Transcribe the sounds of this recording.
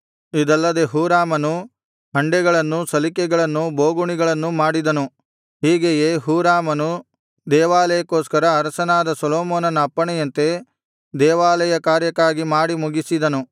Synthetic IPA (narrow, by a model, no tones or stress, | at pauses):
id̪ɐlːɐd̪e̞ɦuːɾaːmɐnu | ɦɐɳɖɛɡɐɭɐnːusɐlikɛɡɐɭɐnːuboːɡuɳiɡɐɭɐnːumaːɽid̪ɐnu | ɦiːɡejeːɦuːɾaːmɐnu | d̪ɛːʋaːlɐjɐkoːskɐɾɐːɾɐsɐnaːd̪ɐsɐloːmoːnɐnɐːpːɐɳɛjɐnt̪e̞ | d̪ɛːʋaːlɐjɐkaːɾjɐkːaːɡimaːɽimuɡisid̪ɐnu